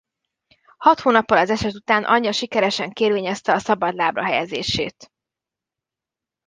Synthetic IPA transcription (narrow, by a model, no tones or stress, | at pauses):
hɒt̪hoːnɒpːɒlɒzɛʃɛt̪ut̪aːnʔɒ̰ɲːɒʃikɛɾɛʃɛŋkeːrʋeːɲɛst̪ɛɒsɒbɒd̪laːbrɒ̰ɦɛjɛzḛːʃḛːt̪